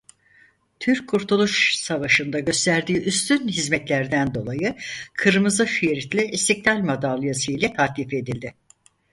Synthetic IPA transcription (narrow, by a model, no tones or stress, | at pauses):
t̪ʰyɾcʰːuɾt̪ʰulˠuʃsavaʃɯnd̪aɟø̞st̪ʰæɾd̪iːʔyst̪ʰynɦizmɛt̪lʲæɾd̪ænd̪o̞lˠajɯkʰɯɾmɯzaʃyjeɾit̪lʲiist̪iclʲalʲmad̪aːlˠɯjasɯjlʲɛt̪ʰaːklʲife̞d̪ilʲd̪ɪ